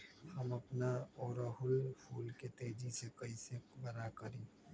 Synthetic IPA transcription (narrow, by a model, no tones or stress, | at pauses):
hɐmɐpnaɔːɾaɦʊlpʰuːlket̪eːd͡ʒisekɐisebɐnakɐɾẽː